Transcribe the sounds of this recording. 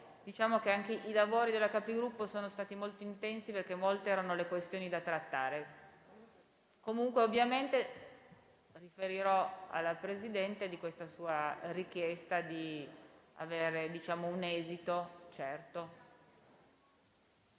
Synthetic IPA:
d̪̥it͡ʃaːmokeaŋk̟eʔilavoːɾid̪elakapiɡɾupːosoːnost̪aːt̪imolt̪oint̪ɛnsiperkemolt̪eɛːɾanolekwest̪joːnid̪at̪ɾat̪ːaːɾe | komuŋkweovːjament̪e | rifeɾiɾɔa̰lːapɾezid̪ɛnt̪ed̪ikwest̪asuːarik̟jɛst̪ad̪i | a̰veːɾed̪it͡ʃaːmounɛːzit̪ot͡ʃɛrt̪o

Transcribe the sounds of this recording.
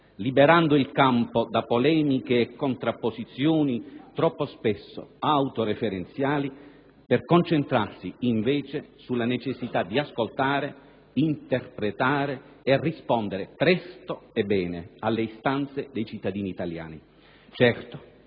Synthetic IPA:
libeɾand̪ʊilkampod̪apolɛːmikeːkːont̪ɾapːozit̪sjoːnit̪ɾɔpːospɛsːo̰awt̪oɾefeɾent̪sjaːli | pɛrkont͡ʃent̪ɾarsiiɱveːt͡ʃesulːanet͡ʃesːit̪ad̪ːiaskolt̪aːɾe | int̪erpɾet̪aːɾeː | rːispɔnd̪eɾepɾɛst̪oebːɛːnealːeist̪ant̪sed̪ejt͡ʃit̪ːad̪iːniːt̪alja̰ːni | t͡ʃɛrt̪o̥

